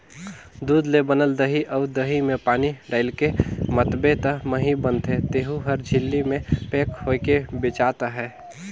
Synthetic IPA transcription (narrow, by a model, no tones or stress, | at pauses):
d̪uːd̪lebənəld̪əɦiʔəʊd̪əɦimẽpaːniɖaːɪlkemət̪bet̪əməɦibənt̪ɦẽt̪eːɦuɦəɾd͡ʒʱɪlːimẽpeːkhokebɪt͡ʃaːt̪aɦɛː